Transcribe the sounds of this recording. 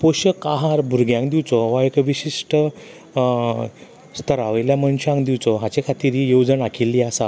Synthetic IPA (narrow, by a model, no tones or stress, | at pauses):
poɕəkaɦaɾbʱuɾɡjãŋkd̪iwt͡sɔʋaekʋiɕiʂʈə | st̪əɾaʋəjljaməɳɕãŋkd̪iwt͡sɔɦãt͡ɕekʰat̪iːɾijowd͡zəɳakʰilːiasa